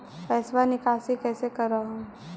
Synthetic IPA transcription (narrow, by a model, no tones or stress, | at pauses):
pɛːswanɪkaːsikɛːsekɐɾaɦõ